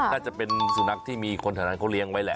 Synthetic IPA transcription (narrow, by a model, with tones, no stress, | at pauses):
naː˥˩t͡ɕa˨˩pe˧nsu˨˩˦na˦˥k̚t̪ʰiː˥˩miː˧kʰo˧nt̪ʰaː˨˦naː˧nkʰa˦˥wli˦˥əŋwa˦˥jlɛ˨˩